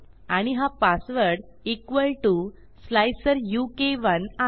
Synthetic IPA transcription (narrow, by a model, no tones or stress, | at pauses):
aɽ̃iɦapasʋəɾɽ | ikʋəlʈu | slajsəɾjukeʋəna